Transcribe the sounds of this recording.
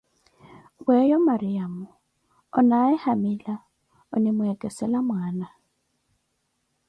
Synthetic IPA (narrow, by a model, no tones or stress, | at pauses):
ɣwɛjɔmaɾiamu | ɔnaɛhamila | ɔnimuɛkɛsɛlamwaːna